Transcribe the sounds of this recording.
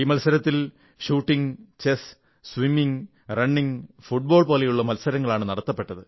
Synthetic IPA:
iːmɐlsɐɾɐt̪ːil | ɕuːʈːiŋt͡ɕes | sʋimːiŋ | rɐɳːiŋfuʈ̚bo̞ːɭpo̞ːlejuɭːɐmɐlsɐɾɐŋːɐɭaːɳɨnɐɽɐt̪ːɐpːe̞ʈːɐðɨ

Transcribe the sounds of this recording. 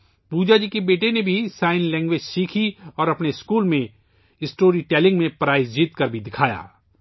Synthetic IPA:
puːd͡ʒad͡ʒikebeːʈenebʱisaːɪnlɛ̃ːŋɡʋeːd͡ʒsiːkʰiɔːɾɐpneɪskuːlmẽ | ɪsʈoːɾiʈɛːlɪ̃ŋɡmẽpɾaːɪsd͡ʒiːt̪kɐɾbʱid̪ɪkʰaːja̰ː

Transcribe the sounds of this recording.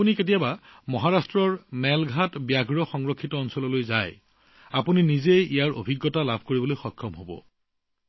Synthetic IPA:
uniket̬ijaba | mɔɦaɹastɹɔɹmɛlɡʱatbjaɡɹɔxɔŋɹɔkʰːitɔːnsɔlɔlojzaj | apuninizejijaɹo̰bʱiɡːɔtalabʱkoɹibɔlojxɔkʰːɔmɦobɔ̰

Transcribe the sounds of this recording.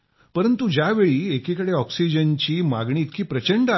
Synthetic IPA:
pəɾənt̪ud͡ʑjaʋeɭiːekikəɽeɔksid͡ʑənt͡ɕiːmaɡɳiːt̪kiːpɾət͡ɕəɳɖa

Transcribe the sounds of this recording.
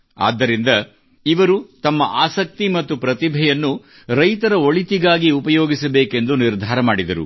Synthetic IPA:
a̰ːd̪ːɐɾind̪ɐ | iʋɐɾut̪ɐmːɐʔaːsɐk̚t̪imɐt̪ːupɾɐt̪ibʱɛjɐnːu | ɾɐjt̪ɐɾɐo̞ɭit̪iɡaːɡiupɐjoːɡisɐbeːke̞nd̪uniɾd̪ʱaːɾɐmaːɽid̪ɐɾṵ

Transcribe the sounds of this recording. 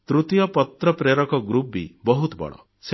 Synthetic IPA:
t̪ɾut̪ijɔpɔt̪ɾɔpɾeɾɔkɔɡɾubḭbɔɦut̪bɔ̰ɽ̃ɔ̰ | se

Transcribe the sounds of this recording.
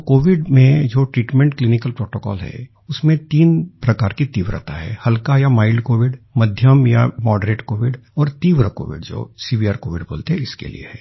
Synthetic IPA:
koːʋɪɖmẽd͡ʒoːʈɾiːʈmɛ̃ɳʈklinɪkəlpɾoːʈoːkɔːlɦɛ̰ | ʊsmẽt̪iːnpɾɐkaːɾkit̪iːʋɾə̰t̪a̰ɦɛ̰ːhɐlkajamaːɪlɖkoːʋɪɖmɐd̪ʱjəmja̰mɔːɖɾeːʈkoːʋɪɖɔːɾt̪iːʋɾəko̰ːʋɪ̰ɖd͡ʒo̰ːsiːbiaːɾkoːʋɪɖbo̰ːlt̪eɦɛɪskḛlḭḛɦɛː

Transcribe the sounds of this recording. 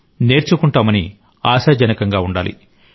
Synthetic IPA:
ne̞ːɾt͡ʃukuɳʈaːmɐni | aːsɐd͡ʒɐnɐkɐŋɡaːuɳɖa̰ːlḭ

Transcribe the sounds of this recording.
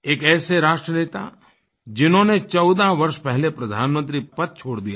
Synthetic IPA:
eːkɛːseɾaːʃʈɾəneːt̪a̰ | d͡ʒɪnɦõːnet͡ʃɔːd̪aʋɐɾʃpɛɦlepɾɐd̪ʱaːnmə̃nt̪ɾipɐt̪̚t͡ʃʰoːɽd̪ijaː

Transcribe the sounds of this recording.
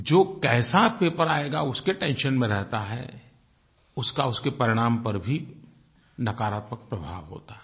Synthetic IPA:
d͡ʒoːkɛːsapeːpəɾaːeɡaʊskeʈɛ̃ːnʃənmẽɾɛɦt̪aɦɛ̰ | ʊskaʊskepɐɾɪɽ̃aːmpɐɾbʱi | nɐkaːɾaːt̪mək̚pɾəbʱa̰ːʋɦo̰ːt̪aɦ

